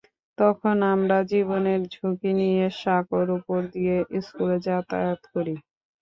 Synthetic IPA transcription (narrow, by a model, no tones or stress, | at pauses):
t̪ɔkʰonamɾad͡ʑiβoneɾd͡ʑʱukinijeʃakoɾupoɾd̪ijeʔiskuled͡ʑat̪a̰jot̪koɾi